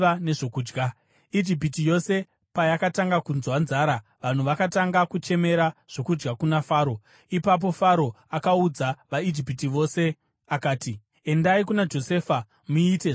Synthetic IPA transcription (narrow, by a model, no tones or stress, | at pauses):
ane̞ʐokuːd͡ʒɡa | id͡ʒip̬itijo̞se | pajakataŋɡakunzwanzaːɾaʋan̤uʋakataŋɡakut͡ʃe̞me̞ɾaʐ̥o̞kud͡ʒɡakunafaːɾo̞ | ipap̬o̞faɾo̞ | akaud͡zaʋaid͡ʒipitiʋo̞se̞ | akaːti | e̞ndaikunad͡ʒo̞seːfa | muite